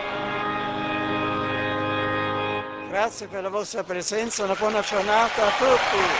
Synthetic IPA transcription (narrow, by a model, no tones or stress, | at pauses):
ɡ̥ɾat̪sːjeperlavɔst̪ɾapɾezɛnt̪saunabwɔːnad͡ʒornaːt̪aːt̪ːut̪ːi